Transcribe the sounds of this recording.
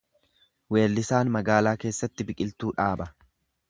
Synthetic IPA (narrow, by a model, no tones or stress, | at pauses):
we̞ːlːɪsaːnmɐɡaːlaːkeːsːɐt̪ːɪbɪkʼɪlt̪uːᶑaːbɐ